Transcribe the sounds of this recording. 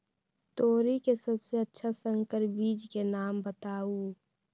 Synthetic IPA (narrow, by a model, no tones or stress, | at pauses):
t̪oːɾikesəbseətːʃʰasə̃ŋkəɾbiːd͡ʒkenaːmbət̪aːu